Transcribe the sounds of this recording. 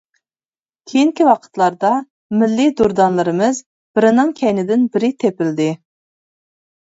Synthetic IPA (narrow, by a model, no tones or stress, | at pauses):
kʲʰejiŋkʲiwɑqʰə̥t̪lˠɑɾd̪ɑ | mɪlːɪd̪uɾd̪ɑnlˠɨɾɨmɨz | bɪɾɪnɨŋkʲʰɛjnɪd̪ɪnbɪɾɪt̪ʰepɪld̪ɪ